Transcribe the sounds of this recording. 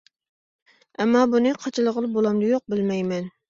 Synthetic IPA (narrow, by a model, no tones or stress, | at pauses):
ɛmːɑːbunɨqʰɑt͡ʃʰɨlˠəʁəlˠbolˠɑmd̪ɨjoq̚bɪlmɛjmɛn